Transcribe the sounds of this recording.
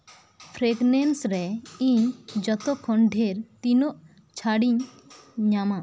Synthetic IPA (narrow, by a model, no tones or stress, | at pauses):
pʰɾeɡnɛnsɾɛiɲd͡ʒɔt̪ɔkʰɔɳɖʱeɾt̪inɔʔ | t͡ʃʰaɽiɲː | ama